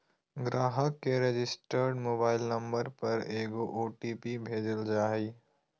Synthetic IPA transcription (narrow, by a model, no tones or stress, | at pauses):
ɡɾaːɦəkːeɾed͡ʒɪsʈəɾɖmoːbaːɪlnɐ̃mbəɾpɐɾeːɡoʔoːʈiːpibʱeːd͡ʒəld͡ʒaːɦiː